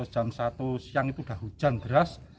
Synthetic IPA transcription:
d̥ʒ̥a̤msat̪usijaŋit̪uɖ̥a̤ɦud̥ʒ̥a̤nd̪̥əɾas

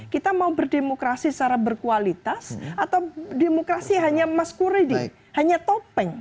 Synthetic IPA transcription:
kit̪amaubərdemokɾasist͡ʃaɾabərkualit̪asat̪awdemokɾasiɦaɲamaskuɾidi | haɲat̪opɛŋ

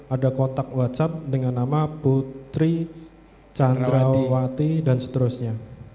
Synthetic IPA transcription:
adakɔnt̪ak̚wat͡ʃat̪̚dəŋanːamaput̪ɾi | t͡ʃand̪ɾawat̪idansə̥t̪əɾusɲa

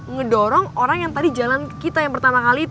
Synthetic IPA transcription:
ŋədɔɾɔŋoɾaŋjaŋt̪adid͡ʒalankit̪ajaŋpərt̪amakaliː

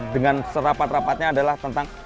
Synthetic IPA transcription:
dəŋansəɾapat̪̚rapat̪̚ɲaːdalaht̪ənt̪aŋ

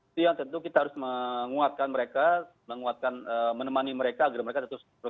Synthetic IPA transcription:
ujaŋt̪ənt̪ukit̪ahaɾʊsməŋuat̪̚kanməɾeka | məŋuat̪̚kanəmənəmaniməɾekaːɡarməɾekat̪ət̪ʊs

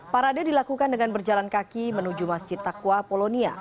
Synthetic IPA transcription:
paɾadadilakukandəŋanbərd͡ʒalankakimənud͡ʒumasd͡ʒɪt̪ːakwapolonia̰

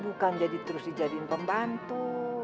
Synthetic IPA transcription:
bukand͡ʒadit̪əɾʊsdid͡ʒadinpəmbant̪u

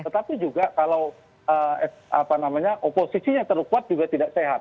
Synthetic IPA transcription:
t̪ət̪apid͡ʒuɡakalaw | əɛapanamaɲaʔoposisiɲat̪əɾukuat̪̚d͡ʒuɡat̪idaʔseɦat̪̚

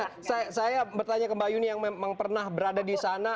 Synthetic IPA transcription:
sasajabərt̪aɲakəmbajunijaŋmemaŋpərnahbəɾadadisana

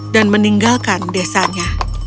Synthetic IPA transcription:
danməniŋɡalkandesaɲa

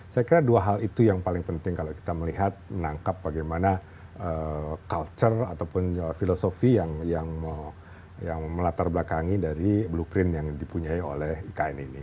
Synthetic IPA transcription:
sajakiɾaduaɦalit̪ujaŋpalɪŋpənt̪ɪŋkaloki̥t̪aməliɦat̪̚mənaŋkap̚baɡajmana | əkalt͡ʃərat̪awpʊnəfilosofijaŋjaŋm | jaŋməlat̪arbəlakaŋidaɾiblupɾɪnjaŋdipuɲaio̰lɛhikaɛnini

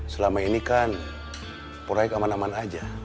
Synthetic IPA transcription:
səlamainikan | poɾaikamanamanad͡ʒa

